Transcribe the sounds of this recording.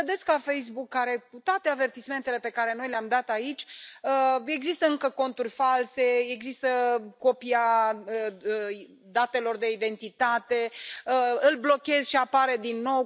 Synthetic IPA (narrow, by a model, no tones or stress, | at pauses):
vəd̪et̪sʲkafe̞js̬bukːaɾe̞kut̪oat̪e̞ave̞rt̪isme̞nt̪e̞le̞pe̞kaɾe̞no̞jleamd̪at̪ait͡ʃʲəe̞ɡzist̪əɨŋkəko̞nt̪urʲfalse̞eɡzist̪əko̞piaə | d̪at̪e̞lo̞rd̪e̞id̪e̞nt̪it̪at̪e̞əɨlblo̞kʲe̞zʃiapaɾe̞d̪inːo̞w